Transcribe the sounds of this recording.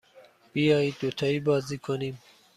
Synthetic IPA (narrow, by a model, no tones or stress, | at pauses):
b̥ijɑːjiːd̪̚ːot̪ʰɑiːbɒːziːkʰoniːm